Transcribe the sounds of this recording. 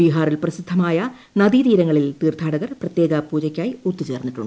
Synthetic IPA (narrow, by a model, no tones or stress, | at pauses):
ʋiːɦaːrilprɐsid̪ʱːɐmaːjɐ | nɐðit̪iːɾɐŋːɐɭilt̪iːrt̪ʰaːɽɐɣɐrprɐt̪je̞ːɡɐpuːd͡ʑɐkʲːaːjut̪ːit͡ɕe̞ːrnːiʈːṵɳɖɨ